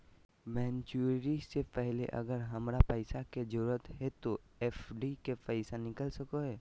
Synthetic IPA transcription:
mɛ̃ːnt͡ʃuɾisepɛɦlḛʔɐ̰ɡəɾɦɐmɾapəɪsaked͡ʒəɾuɾət̪ɦɛt̪o | eːfɖikepəɪsanɪkəlsɐkoɦeː

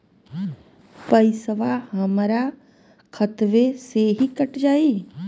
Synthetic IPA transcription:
pəɪsəʋaɦɐmɾa | kʰət̪ʋeseɦikəʈd͡ʒaːiː

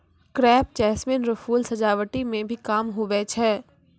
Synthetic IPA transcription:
kɾɛːpt͡ʃɛːsmɪnɾɐfʰuːlsɐd͡ʒaːʋəʈimẽbʱikaːmɦʊʋɛt͡ʃʰɛː

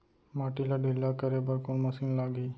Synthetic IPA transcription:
maʈilaɖʱilːakəɾebəɾkoɳməsiːnlaɡiː

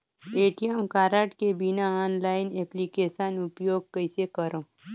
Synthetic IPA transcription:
eʈijəmkaɾaʈkebinaanlaɪneplikeʃənupjoɡ̚kəjsekəɾõ

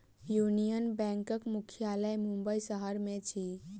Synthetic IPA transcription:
junijənbɛ̃ŋkəkmukʰijaləjmumbəisəɦəɾmet͡ʃʰi

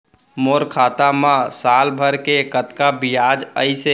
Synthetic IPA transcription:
moɾkʰaːt̪amãsalbʱəɾkekət̪kabijad͡ʒəise

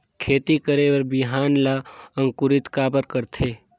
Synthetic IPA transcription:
kʰeːt̪ikəɾewəɾbɪɦaːnlaə̃ŋkʊɾɪt̪kaːbəɾkəɾt̪ʰeː

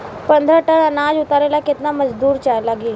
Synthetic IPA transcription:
pənd̪ʱəʈəɽənad͡ʑut̪aɾelaket̪naməd͡ʑd̪uːɾt͡ɕajlaɡiː

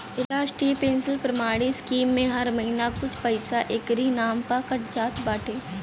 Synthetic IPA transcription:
laːʃʈɾipẽːnsɪlpɾɐmaːɽ̃iskiːmːẽɦɐɾmɐɦinakʊt͡ʃʰpɐɪsaʔekɾinaːmpakəʈd͡ʒaːt̪baːʈʰeː

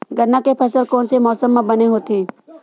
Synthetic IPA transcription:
ɡɐɾnakepʰɐsəlkɔːnsemɔːsəmːãbɐneɦoːt̪ẽː

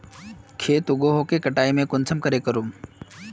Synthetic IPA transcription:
kʰeːt̪ʊɡoɦokekəʈaːimẽkʊnsʰəmkəɾeːkəɾuːm

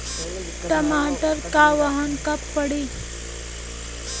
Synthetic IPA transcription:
ʈəmaʈəɾkaʋaɦənkəpːəɽi

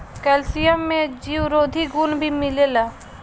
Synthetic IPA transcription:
kɛːlsijəmːẽd͡ʒiːwɾoːd̪ʱiɡuːnbʱimɪlelaː

